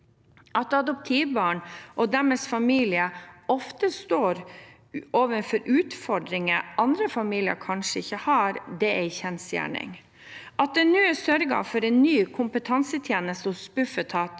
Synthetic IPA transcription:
ʔɑt̪ɑd̪ʊp̚t̪ʰiːʋbɑːɳʔɔd̪æɾmɛsfɑmiːlɪəɔft̪əst̪oːɾ | ʔoːʋənfɔɾʔʉːt̪fɔɖɾɪŋəʔɑnd̪ɾəfɑmiːlɪə̰ɾkʰɑnʂəɪçːəhɑɾd̪ɛæɪçɛnsjæ̰ːɳɪ̰ŋ | ʔɑt̪̚d̪ɛnyːəsœɾɡɑ̰fɔɾɛnːyːkʰʊmpət̪ʰɑnsət̪ʰjeːnəst̪əʊspʉfət̪ʰɑːt̪

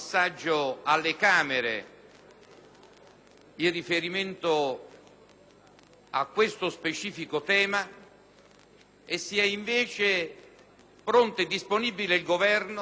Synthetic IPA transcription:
sːad͡ʒːʊalːekaːmeɾḛ | irːifeɾiment̪ʊ | a̰kːwest̪ʊspet͡ʃiːfikʊt̪ɛːma | esːiɛiɱvɛːt͡ʃe | pɾont̪ɪd̪ːisponibileilɡovɛrn

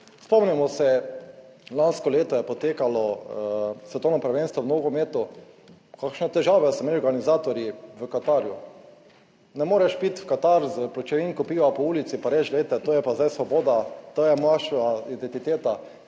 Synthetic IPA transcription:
spɔmnɛmɔsɛ | lanskɔleːt̪ɔjɛpɔt̪eːkalɔ | sʋɛd̪oːnɔpɾaʋenst̪ʋɔmnoːɡɔmeːt̪ɔ | kakʃnɛt̪ɛʒaːʋɛsɛmɛlɔɾɡanizaːt̪ɔɾjiʋəkat̪aɾju | nɛmoːɾɛʃpit̪fkat̪aɾzəplɔt͡ʃɛʋinkɔpiːʋapɔuːlit̪sipaɾɛt͡ʃleːt̪ɛt̪oːjɛpazd̪ajsʋɔboːd̪at̪oːjɛmaʃaid̪ɛnt̪it̪eːt̪a

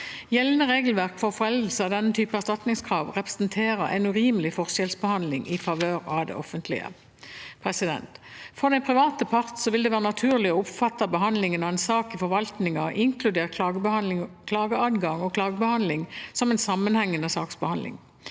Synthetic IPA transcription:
jɛlənəʁeːɡəlʋæʁkfɔʁfɔʁɛld̪l̩səɑd̪ɛnːət̪ʰyːpəæʁst̪ɑt̪nɪŋskʰʁɑːʋʁɛpʁə̥snt̪ʰeːʁəɛ̰ɪnʉʁiːməlɪfɔʁʃɛlsbəhɑnd̪lɪŋɪfɑʋøːʁɑd̪ɛ̰ʔɔfənt̪ʰlɪ̰ə̰ | pʰʁɛsɪd̪ɛ̰nt̪fɔʁd̪ɛnpʰʁɪʋɑːt̪əpʰɑʁt̪sɔʋɪld̪ɛʋæːʁənɑt̪ʰʉːʁlɪɔʊpfɑt̪ːɑbəɦɑnd̪lɪŋənɑɛɪnsɑːkɪfɔʁʋɑlt̪nɪŋɑʔɪŋkʰlʉd̪eːʁ | kʰlɑːɡəɑːd̪ɡɑŋɔkʰlɑːɡəbəhɑnd̪lɪŋsɔmɛɪnsɑmːənhɛŋːənəsɑːksbəhɑnd̪lɪ̰ŋ

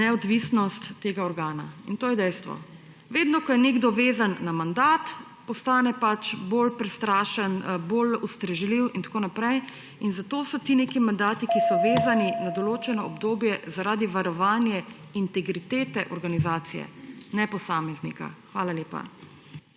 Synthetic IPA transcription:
nɛɔd̪ʋisnɔst̪ːeːɡaɔɾɡaːna̰int̪oːjɛd̪ɛjst̪ʋɔ̰ | ʋeːd̪nɔkɔjɛneɡd̪ɔʋeːzanːamand̪aːt̪ | pɔst̪aːnɛpat͡ʃbolpɾɛst̪ɾaːʃənbolust̪ɾɛʒliwint̪ḁkoːnapɾɛj | inzat̪oːsɔt̪ineːkimand̪aːt̪ikisɔʋeːzaninad̪ɔloːt͡ʃɛnɔɔbd̪oːbjɛzaɾaːd̪iʋaɾɔʋaːnjɛ | int̪ɛɡɾit̪eːt̪ɛʔɔɾɡanizaːt̪sijɛ̰nɛpɔsaːmɛznḭka̰xʋaːlaleːpa̰

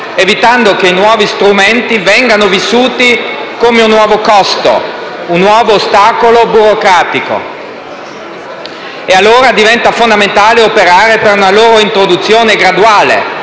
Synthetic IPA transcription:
evit̪and̪okeinwɔːvist̪ɾument̪ivɛŋɡanovisːuːt̪ikomeunːwɔːvokɔst̪o̰ | unːwɔːvoːst̪aːkolobuɾokɾaːt̪iko̰ | ealːoːɾad̪ivɛnt̪afond̪ament̪aːleopeɾaːɾepeɾunaloːɾoint̪ɾod̪ut̪sːjoːneɡɾad̪uaːlḛ

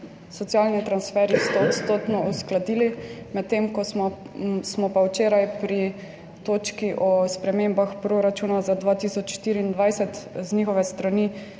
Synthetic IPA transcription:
sɔt̪sijaːlnit̪ɾansfɛːɾist̪ɔɔt̪st̪oːt̪nɔusklad̪iːlimɛt̪ːemkɔsmɔ | smɔpawt͡ʃeːɾajpɾi | t̪oːt͡ʃkiʔɔspɾɛmembaxpɾoɾat͡ʃunazad̪ʋaːt̪isɔt͡ʃʃt̪iːɾiːnd̪ʋajsɛt̪znixɔʋɛst̪ɾani

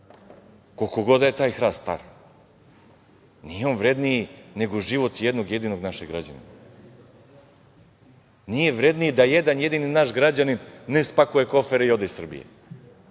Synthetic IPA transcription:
kolkoɡo̞d̪ajet̪aːjxɾast̪t̪a̰ɾi | nijeo̞nʋɾe̞d̪nijine̞ɡoʒiʋo̞t̪jed̪no̞ɡje̞d̪ino̞ɡnaʃeɡɾad͡ʑa̰nḭne | nije̞ʋɾed̪niid̪ajed̪anje̞d̪ininaʃɡɾad͡ʑaninːespakujeko̞feɾeio̞d̪eisr̩bḭjḛ

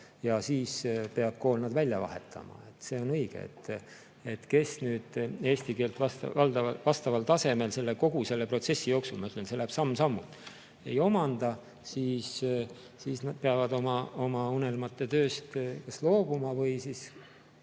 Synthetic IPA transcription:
jɑsiːspe̞ɑb̥̚ko̞ːlnɑd̪̥vælʲjɑvɑ̰he̞̰t̪ʰːˑɑ̰mɑ̰e̞t̪ːse̞ːo̞nɤjɡ̥ḛḛt̪ː | e̞t̪ke̞snyːd̪̥e̞ːsʲt̪ike̞ːlt̪vɑst̪vɑld̪ɑɑvɑst̪ɑvɑlt̪ɑse̞me̞lse̞lːeko̞ɡ̥use̞lːe̞pro̞t̪se̞sːijo̞ːksulmɑyt̪lense̞læːb̥sɑmːsɑmːut̪ | e̞̰jo̞mɑnd̪ɑ | siːs | siːsnɑd̪̥̚peɑvɑd̪o̞mɑo̞mɑune̞lmɑt̪ːe̞t̪ø̞ːst̪kɑslo̞ːb̥umɑvɤjsiːs

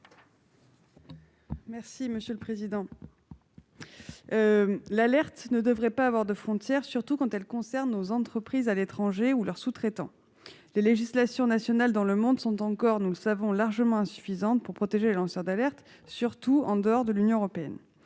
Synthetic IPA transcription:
mɛʁsiməsjøləpχezid̪ɑ̃ | lalɛʁt̪nəd̪əvʁɛpaːvwaʁd̪əfχɔ̃t̪jɛʁsyʁt̪ukɑ̃t̪ɛlkɔ̃sɛʁnːozɑ̃t̪χəpχizalet̪χɑ̃ʒeulœʁsut̪χet̪ɑ̰̃ | leleʒislasjɔ̃nasjɔnald̪ɑ̃ləmɔ̃d̪sɔ̃t̪ɑ̃kɔʁnuləsavɔ̃laʁʒəmɑ̃ɛ̃sy̥fizɑ̃t̪puʁpχɔt̪eʒelelɑ̃sœʁd̪alɛʁt̪ | syʁt̪uɑ̃d̪əɔʁd̪əlynjɔ̃əʁɔpeɛ̰n

